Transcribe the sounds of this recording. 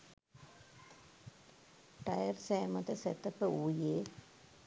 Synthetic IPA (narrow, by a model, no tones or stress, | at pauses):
ʈɐjɐɾseːmɐt̪ɐsɛt̪ːɐpːəuːjeː